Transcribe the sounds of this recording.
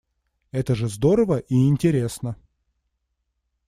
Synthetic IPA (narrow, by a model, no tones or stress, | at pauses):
ɛt̪əʐɨzd̪oɾəvəʔiɪnʲtʲɪɾʲe̞snə